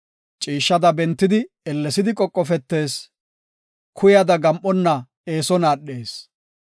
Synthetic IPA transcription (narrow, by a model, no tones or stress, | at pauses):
t͡ʃʼiːʃːɐd̪ɐbɛnt̪ːɪd̪ɪ | ɛlːɛsɪd̪ɪkʼɔkʼːɔfɛt̪ːe̞ːs | kʰʊjɐd̪ɐɡɐmʔɔnːɐ | eːsɔnaːɗːe̞ːs